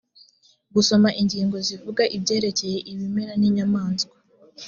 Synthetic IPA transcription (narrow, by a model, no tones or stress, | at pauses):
ɡuso̞maʔiɲɟiːŋɡo̞zivuɡaʔibɟe̞ːɾe̞ce̞je̞ʔiβimeɾaniɲamaːnzɡwḁ